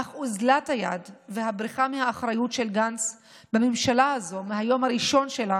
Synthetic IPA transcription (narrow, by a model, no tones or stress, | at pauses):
aχuzlathajadveɦabʁiχamehaːχʁajutʃe̞lɡans | bamemʃalaazo̞meɦajo̞maʁiʃo̞nʃe̞la